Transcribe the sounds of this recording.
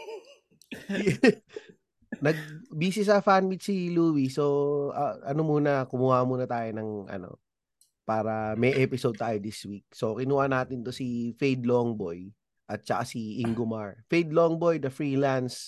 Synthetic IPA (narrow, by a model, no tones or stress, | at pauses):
nɐɡ̚biːsɪsɐfanmit̪siluːwiso̞ɐʔɐnomuːnɐkʊmuhamuːnɐt̪aːjonɐŋʔɐ̰no̰ | paːɾɐmɛjʔɛpɪsod̪̚t̪aːjod̪iswik̚sokɪnuːhanaːt̪ɪnt̪o̞sifejd̪loŋboj | ʔɐt̪̚t͡ʃɐkasiʔiŋɡomaɹfejd̪loŋbojd̪ɐfɹiːlans